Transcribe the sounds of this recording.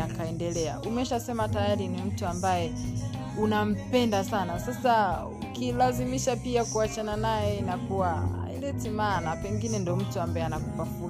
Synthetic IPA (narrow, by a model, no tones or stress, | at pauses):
akaɛndɛlɛaumɛʃasɛmatajaɾinim̩tuambajɛ | unam̩pɛndasanasasa | ukilazimiʃapiakuat͡ʃananajɛinakuwa̰ | ḭlɛtimanapɛŋɡinɛndɔm̩tuambaɛanakupafu